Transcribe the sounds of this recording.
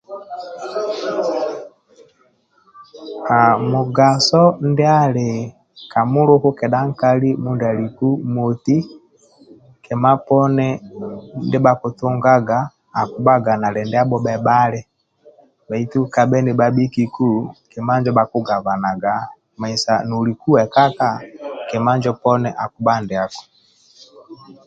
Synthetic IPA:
ka˨mu˨ɡa˨sɔ˦ndɛ˦a˦lɛ˨ | ka˨mu˦lo˦hu˦kɛ˨ɗa˦ŋ̩˦ka˦li˦mu˦nda˨li˨ku˦mo˨ti˦ | kɛ˨ma˦pɔ˦nɛ˦ndɛ˦ba˨ku˨tu˦ŋɡa˦ɡaː˨ | ku˦ba˦ɡa˨na˨lɛ˨ndɛ˦a˦bɔ˦ɓɛ˨ba˦lɛ˦ | ba˨i˦tu˦ka˨bɛ˦ndɛ˨ba˦bi˦ki˨ku˦˨kɛ˨ma˦ɲd͡ʒɔ˦ba˨ku˦ɡa˨βa˨na˨ɡa˨ | ma˨i˨sa˨nu˨li˨ku˦wɛ˨ka˦ka˦˨kɛ˨ma˦ɲd͡ʒɔ˦pɔ˦nɛ˦ʔa˨ku˦ba˦ndɛ˨a˨kɔ̥˨

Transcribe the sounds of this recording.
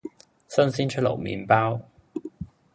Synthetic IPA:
sə˥˧nsi˥nt͡ʃʰə˥˩lo̰˨˩wmḭ˨˥npa˥w

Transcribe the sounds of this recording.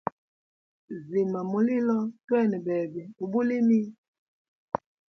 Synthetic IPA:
zi˨ma˨mo˨li˦lɔ˦twɛ˦˨nɛ˨bɛ˨bɛ˨u˨bu˦li˦mi˦

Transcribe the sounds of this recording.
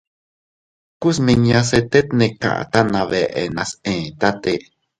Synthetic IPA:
ku˦smi˧ɲas̬e˧t̪e˦t̪neka̰˨ʔa̰t̪a˦nã˧βe˨ʔḛ˨na˧sẽː˨t̪a˦t̪e

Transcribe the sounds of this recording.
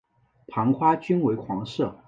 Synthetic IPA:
pʰɑ˧˥ŋkʰwa˥t͡ɕy˥nwe˧˥ɪkʰwɑ˧˥ŋʂɤ˥˩

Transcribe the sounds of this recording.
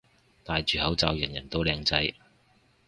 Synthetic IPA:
t̪aː˨jt͡ʃyː˨hɐ˨˥wt͡sa̰ː˧wjɐ˨˩njɐ̰˨˩nt̪o˧wlɛː˧ŋt͡sɐ˨˥j

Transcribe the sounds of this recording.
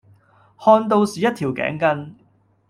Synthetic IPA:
hɔː˧nt̪̬o˧wsiː˨jɐ˥t̚t̪ʰiː˨˩wkɛ̰ː˨˥ŋkɐ˧n

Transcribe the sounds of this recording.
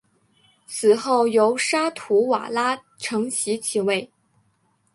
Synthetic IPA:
t͡sʰɹ̩˨˩xo˥˩ʊjo˧˥ʊʂa˥t̪ʰu˧˥wa̰˨˩la˥ | ʈ͡ʂʰɤ˧˥ŋɕi˧˥t͡ɕʰi˨˩we˥˩ɪ

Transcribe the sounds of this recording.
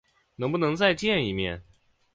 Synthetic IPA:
nɤ˧˥ŋpu˥˩nɤ˧˥ŋt͡sa˥˧ɪt͡ɕjɛ˥˩ni˨˩mjɛ˥˩n

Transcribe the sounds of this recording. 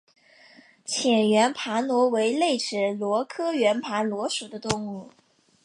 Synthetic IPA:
t͡ɕʰjɛ˨˩nɥɛ˧˥npʰa˧˥nwɔ˧˥we˧˥ɪle˥˩ɪʈ͡ʂɻ̩˨˩lwɔ˧˥kʰɤ˥ɥɛ˧˥npʰa˧˥nlwɔ˧˥ʂu˨˩d̪ə˦t̪ʊ˥˧ŋu˥˩

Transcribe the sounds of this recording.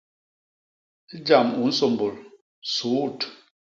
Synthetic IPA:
d͡ʒa˨mu˨n̩˦so˨mbo˨l | suː˨˦t

